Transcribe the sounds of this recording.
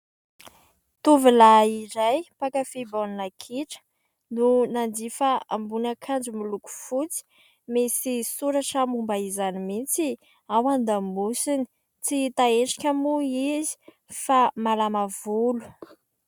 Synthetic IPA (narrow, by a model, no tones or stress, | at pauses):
t̪uvilaiɾajpakafiboninakʰiʈ͡ʂə̥ | nunand̪ifaambunakʰand͡ʒumiluku̥fut͡si̥ | mesisuɾaʈ͡ʂamumbaizanimint͡si | awand̪amusini̥ | t͡sit̪aeɳʈ͡ʂḁkʲəmuizi̥ | famalamavulu̥